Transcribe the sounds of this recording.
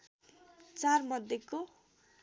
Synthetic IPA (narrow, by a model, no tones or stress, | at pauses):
t͡sarmʌd̪ʱjeko